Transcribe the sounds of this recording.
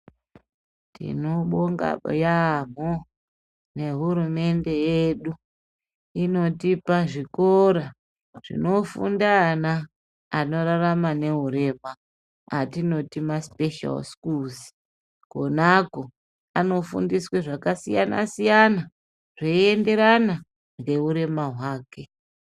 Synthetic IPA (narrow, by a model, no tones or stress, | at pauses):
tḭno̞ɓoŋɡa̰jam̤o | ne̞ɦuɾume̞nde̞jeɗu | ino̞tipaʐikoɾa | ʐ̥ḭno̞fṵndanaː | no̞ɾaramane̞ɦuɾe̞ma | atino̞timaspe̞ʃa̰lskulzi̥ | ko̞nako | ano̞fṵndisweʐakasijana̰sijana | ʐeie̞nde̞ɾana | ŋɡe̞ɦuɾe̞maɦwaːke̞